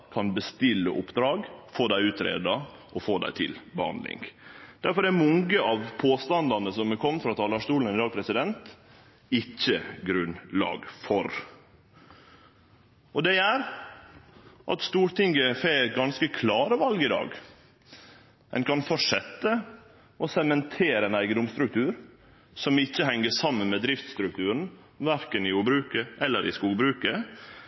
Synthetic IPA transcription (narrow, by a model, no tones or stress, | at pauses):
kʰɑnbəst̪ɪlːə̰ʔʊpːd̪ɾɑːɡfoːd̪æɪʉːt̪ʰɾḛːd̪ɑ | ʔɔfoːd̪æ̰ɪt̪ʰɪlbəhɑ̰nd̪lɪ̰ŋd̪̥æɾfɔɾæɾmɔŋɡəʔɑʋpʰoːst̪ɑnd̪ɑnəsɔmɛkʰɔmːəfɾɑːt̪ʰɑːlɑʂt̪uːln̩ɛnɪd̪ɑːɡ̚pʰɾɛsɪd̪ɛnt̪ | ɪçːəɡɾʉnlɑ̰ːɡfɔɾ | ɔd̪ɛæɾ | ʔɑ̰t̪st̪uːɾʈ̪ɪŋɡəfeɛt̪̚ɡɑnskəkʰlɑːɾəʋɑlɡɪd̪ɑ̰ːɡ | ɛ̰nkʰɑnfɔʂɛt̪ːə | ɔsɛmɛnt̪ʰeːɾəɛnæɪɡəd̪ʊmst̪ɾʉk̚t̪ʰʉːɾ | sɔmɪçːəhɛŋːəsɑmːənmɛːd̪ɾɪft̪st̪ɾʉk̚t̪ʉːɾən̩ | ʋæɾkənɪjuːbɾʉːkəʔɛlːəɾʔɪ̰skuːɡbɾʉːkə